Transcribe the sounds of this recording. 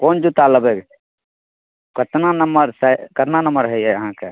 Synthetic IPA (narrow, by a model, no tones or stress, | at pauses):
kond͡ʒut̪aləbek | kət̪nanəməɾsəkət̪nanəməɾɦəiɛəɦãke